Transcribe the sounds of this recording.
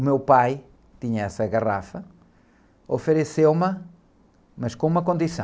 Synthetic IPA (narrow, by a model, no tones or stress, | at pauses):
umewpaj | t̪iɲɐɛsɐɣɐʁa̰fɐ | ofɨɾɨsewmɐ | mɐʃkõumɐkõnd̪isɐ̰̃